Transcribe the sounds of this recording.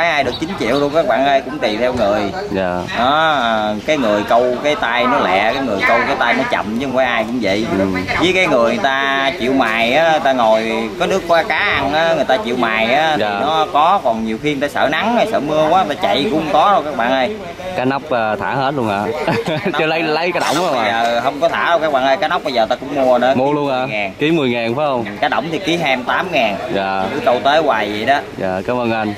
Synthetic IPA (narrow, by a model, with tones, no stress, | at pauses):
aː˨˦jʔaː˧jɗɨ˨˩ək̚t͡ɕï˨˦ŋ̟t͡ɕḭ˧˨əwɾu˧əŋ͡mkaː˦˥k̚ɓa̰ː˧˨nʔə˧jkʊ̰˧˥ŋ͡mt̪i˨˩t̪ʰɛ˧wŋɨ˨˩əj | a˨˩ɗɔ˨˦˨kaː˨˦jŋɨ˨˩əjkə˧wkaː˨˦jt̪a˧jnɔ˨˦lɛ̰˧˨kaː˨˦jŋɨ˨˩əjkə˧wkaː˨˦jt̪a˧jnɔ˨˦t͡ɕə̰˧˨mt͡ɕɨ˧˦˨kaː˨˦ʔaː˧jkʊ̰˧˥ŋ͡mvə̰˧˨jvi˨˦jkaː˨˦jŋɨ˨˩əjt̪aː˧t͡ɕḭ˧˨əwmaː˨˩jʔaː˨˦˨t̪aː˧ŋo˨˩jka˨˦nɨ˦˥əkːwaː˧kaː˨˦ʔa˧nʔaː˨˦ŋ˨˩jt̪aː˧t͡ɕḭ˧˨əwmaː˨˩jʔaː˨˦tːi˨˩nɔ˨˦kɔ˨˦kɔ˨˩nɲi˨˩əwxi˧t̪aː˧sə̰ː˧˩na˨˦ŋa˨˩sə̰ː˧˩mɨ˧əkwaː˨˦t̪aː˧t͡ɕa̰˧˨jkʊ̰˧˥ŋ͡mkɔ˨˦o˧˩kaː˦˥k̚ɓa̰ː˧˨nʔə˧j | kaː˨˦jna˦˥wk͡p̚ə˨˩t̪ʰaː˧˩he˦˥t̚ləŋha̰ː˨˩t͡ɕə˨˦lə˨˦jlə˨˦jkaː˨˦ɗə̰˧˩wzəː˨˩ɦə˧wŋ͡mkɔ˨˦t̪ʰaː˧˩ɾo˧wkaː˦˥k̚ɓa̰ː˧˨nʔə˧jkaː˨˦jna˦˥k͡p̚ɓə˧jzəː˨˩t̪aː˧kʊ̰˧˥ŋ͡mmu˧ə˨ɗə̰˧˦mu˧əlu˧əŋhaː˨˧ŋaː˨˩nki˨˦mɨ˨˩əjŋaː˨˩nfaː˨˦hə˧wŋ͡mkaː˨˦ɗə̰˧˩wŋ͡mt̪ʰi˨˩ki˨˦ɦɛ˧mt̪aː˨˦mŋaː˨˩nzaː˨˩ɨ˨˦kə˧wt̪e˨˦waː˨˩jzə˨˩jɗɔ˨˦zaː˨˩kaː˨˦məː˧nʔə˧n